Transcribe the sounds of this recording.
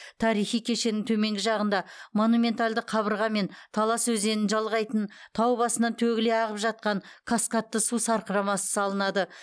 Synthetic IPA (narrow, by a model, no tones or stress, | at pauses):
t̪ʰɑɾijχijkʲʰe̞ʃe̞nɪŋt̪ʰɵme̞ŋɡʲɪʒɑʁənd̪ɑmo̞numʲe̞nt̪alʲd̪əqʰɑβəɾʁɑme̞nt̪ʰɑlˠɑswɵze̞nɪnʒɑlˠʁɑjt̪ənt̪ʰɑwbɑsənɑnt̪ʰɵɡʲɪle̞ɑʁəpʒɑt̪̚qɑɴkʰaskɑt̪ːəsusɑɾqəɾɑmɑsə̥sɑlˠənɑd̪ə